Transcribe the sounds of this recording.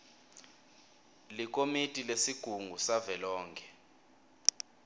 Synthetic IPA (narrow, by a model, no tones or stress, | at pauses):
lik̬ʼomitʼilesiɡ̥ʱuŋɡʱusavɛlɔːŋkʰɛ